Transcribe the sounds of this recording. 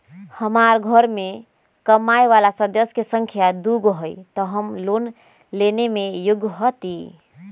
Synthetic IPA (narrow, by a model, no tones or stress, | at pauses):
həmaɾɡʱəɾme | kəmajʋalasəd̪əskesəŋkʰjad̪uɡɦəjt̪ɔɦəmlon | lenemejuɡʱɦət̪i